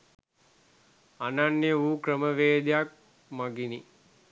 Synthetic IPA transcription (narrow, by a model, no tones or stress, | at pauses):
ananːeuːkɾəməʋeːd̪jak̚ | maɡini